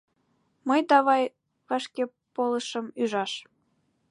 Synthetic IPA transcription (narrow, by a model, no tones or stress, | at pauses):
məjt̪ɑβɑj | vɑʃke | poləʃəmyʒɑʃ